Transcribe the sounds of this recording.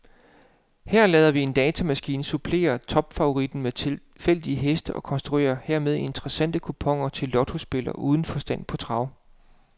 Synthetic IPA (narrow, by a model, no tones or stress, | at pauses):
hæɐ̰lɛːðˠɐʋie̝nd̥ɛːt͡sʰæmæsɡ̥ḭːnsupʰle̝̰ːɐt͡sʰɒ̽b̥fɑ̈o̝ʁid̥n̩met͡sʰe | fel̰d̥iəɦesd̥əʔɒ̽kʰɒ̽nsd̥ʁue̝̰ːɐhæɐ̰með̞ˠie̝nt͡sʁɐsæn̰d̥əkʰupʰɒ̽ŋ̰ɐt͡sʰe̝lːɒ̽d̥ʰo̝sb̥e̝lɐʔuːð̞ˠn̩fɒ̽sd̥æn̰pʰɒ̽t͡sʰʁɑ̈ʊ̰